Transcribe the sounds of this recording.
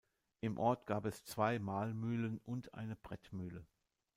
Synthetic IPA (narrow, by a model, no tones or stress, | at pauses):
ʔɪmʔɔɐtɡ̥aːpɛst͡sv̥aɪmaːlmyːlənʊntʔa̰ɪnəb̥ʁɛtmyːlə